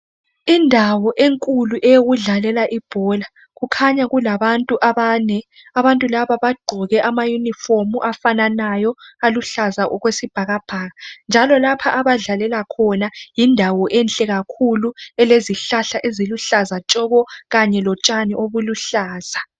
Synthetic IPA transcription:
indʱawɔʔeŋkʼuluʔɛjoɣuɮalɛlaʔib̥ʱɔla | ɣukʰaɲaɣulaβantʼuʔaβaːnɛ | aβantʼulaβaβaɡ͡ǃʱɔɣɛʔamajunifomuʔafananajɔaluɬazaʔɔɣwesib̥ʱaɣab̥ʱaːɣand͡ʒʱalɔlapʰaʔaβaɮalɛlakʰɔnajindʱawɔʔɛnt͡ɬʼɛɣakʰuluɛleziɬaɬaʔeziluɬazat͡ʃʼɔɣɔɣaɲɛlɔt͡ʃʼaniʔoβuluɬaːz̥a

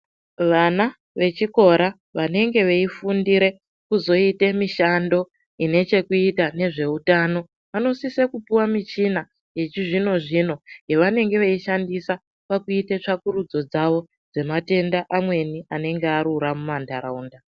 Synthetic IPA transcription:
ʋana | ʋe̞t͡ʃiko̞ɾa | ʋane̞ŋɡe̞ʋeifundiɾe̞ | kuzo̞ite̞miʃando̞ | ine̞t͡ʃe̞kuitane̞ʐe̞utano̞ | ʋano̞sisekupuwamit͡ʃina | je̞t͡ʃiʐino̞ʐino̞je̞ʋane̞ŋɡe̞ʋeiʃandisa | pakuitet͡ʂakuɾud͡zo̞d͡zaʋo̞ | d͡ze̞mate̞ndaʔamwe̞niane̞ŋɡeaɾuɾamumandaɾauːnda

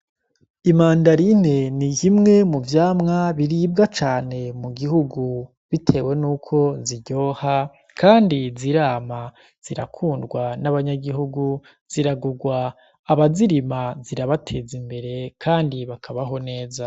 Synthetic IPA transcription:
imaːndaɾine̞nijimŋe̞muvjaːmŋaβiɾiːb̚ɡat͡ʃaːne̞muɡiɦuɡu | βitʰe̞ːwe̞nuːkʰo̞ziɟo̞ːha | kʰaːndiziɾaːma | z̥iɾakʰuːndɡwanaβaɲaɡiɦuɡu | z̥iɾaɡuɡwaː | βaziɾimaziɾaβatʰe̞zimbe̞ɾe̞kʰaːndiβakʰaβaɦo̞ne̞ːza

